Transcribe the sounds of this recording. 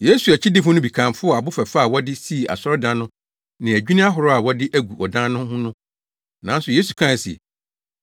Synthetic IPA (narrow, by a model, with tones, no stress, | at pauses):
je˦su˨æ˨t͡ɕʰɪ˦dɪ˦fʊ̃˦nʊ̃˦bi˨kʰã˨mfʊ˦ɔ˨a˨bʊ˦fæ˨fa˦˨wɔ˦dɪ˦si˦˨a̰˨sɔ˦ɾɔ˦dã˦nʊ̃˦ | nɪ̃˨æ˨d͡ʑᶣi˦nĩ˦a˦ɦʊ˨ɾɔ˦a˨wɔ˦dɪ˦ʔæ˦ɡu˨ɔ˨dã˦nʊ̃˦hʊ̃˦nʊ̃˦ | nã˨˦n˦sʊ˨je˦su˨kʰã˦˨sɛ̰˨